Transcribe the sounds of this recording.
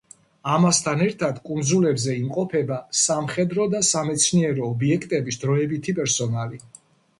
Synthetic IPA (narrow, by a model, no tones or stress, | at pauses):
amast̪ʰanɛɾt̪ʰad̪kʼund̪zulɛbzɛimqʼɔpʰɛbasamχɛd̪ɾɔd̪asamɛt̪sʰniɛɾɔːbiɛkʰt̪ʼɛbisd̪ɾɔɛbit̪ʰipʼɛɾsɔnali